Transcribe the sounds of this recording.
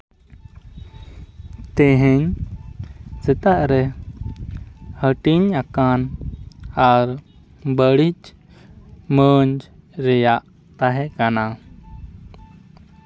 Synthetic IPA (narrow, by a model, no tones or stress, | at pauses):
t̪ɛɦɛɲ | sɛt̪aʔɾɛ | həʈiɲakan | aɾ | bəɽit͡ʃ | məɲd͡ʒɾɛjaʔ | t̪aɦɛʔkana